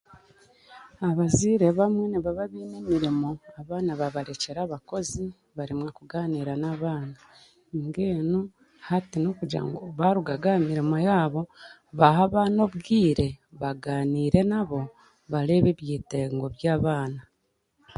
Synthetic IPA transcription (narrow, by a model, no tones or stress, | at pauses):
aβaziːɾe̞βamwe̞niβaβaβiːne̞miɾimo̞aβaːnaβaβaɾe̞ce̞ɾaːβako̞zi | βaɾimwakuɡaːniːɾanaβaːna | ŋɡeːnu | hatinokuɟa̰ŋɡoβaɾuɡaɡaemiɾimojaːβo̞ | βahaβaːno̞βɡiːɾe̞βaɡaːniːɾe̞naβo̞ | βaɾe̞βeβjiːte̞ːŋɡo̞βjaːβaːna